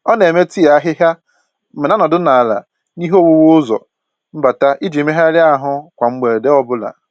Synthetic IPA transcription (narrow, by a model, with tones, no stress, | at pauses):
ɔ˦ne˨me˦ti˦ja˨a˦ɦɪ˦ɦja˦ | m̩˦m̩ɪ˨na˦nɔ˨dʊ˦na˨a˨la̰˨ | ni˦ɦo˦˨wu˦wo˦ʊ˦zɔ̰˨ | m̩˦ba˨ta˦ʔi˦d͡ʒi˨me˦ɦa˦lɪ˦a˦˨ɦʊ˦kʷa˨ŋ͡m̩˦ɡ͡be˨de˦ɔ˦bʊ˦la̰˨